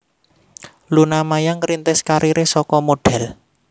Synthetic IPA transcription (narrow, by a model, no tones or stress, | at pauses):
lunamajaŋɾint̪ɪskaɾʔiɾesɔkɔmoɖ̥ɛ̤l